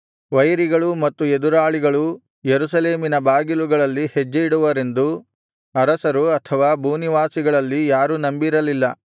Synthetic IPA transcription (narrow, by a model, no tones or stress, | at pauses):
ʋɐjɾiɡɐɭumɐt̪ːued̪uɾaːɭiɡɐɭu | jeɾusɐleːminɐbaːɡiluɡɐɭɐlːihed͡ʒːeiɽuʋɐɾe̞nd̪u | ɐɾɐsɐɾuɐt̪ʰɐʋaːbʱuːniʋaːsiɡɐɭɐlːijaːɾuːnɐmbiɾɐlilːɐ